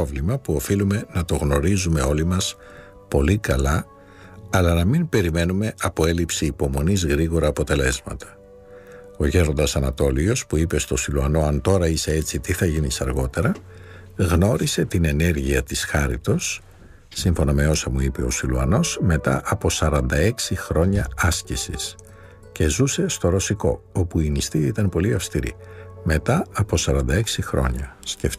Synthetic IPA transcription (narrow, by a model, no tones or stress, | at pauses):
ovlimɐpuo̞filume̞nɐt̪o̞ɣno̞ɾizume̞o̞limɐs | po̞likɐlɐ | ɐlɐnɐmimpe̞ɾime̞nume̞ʔɐpo̞e̞lipsiːpo̞mo̞nizɣɾiɣo̞ɾɐːpo̞t̪e̞le̞zmɐ̰t̪ʰɐ̥ | o̞ʝe̞ɾo̞nd̪ɐsɐnɐt̪o̞lio̞spuipe̞st̪o̞siluɐno̞ɐnt̪o̞ɾɐise̞e̞t͡sit̪iθɐʝinisɐɾɣo̞t̪e̞ɾɐ | ɣno̞ɾise̞t̪ine̞ne̞ɾʝiɐt̪isxɐɾit̪o̞sː | iɱfo̞nɐme̞o̞sɐmuipe̞o̞siluɐno̞sme̞t̪ɐ̰ʔɐpo̞sɐɾɐnd̪ɐe̞ksixɾo̞ɲɐɐscisḭs | ce̞zuse̞st̪o̞ɾo̞siko̞̰o̞puinist̪iit̪ɐnpo̞liɐfst̪iɾḭme̞t̪ɐɐpo̞sɐɾɐnd̪ɐe̞ksixɾo̞̰ɲɐsce̞f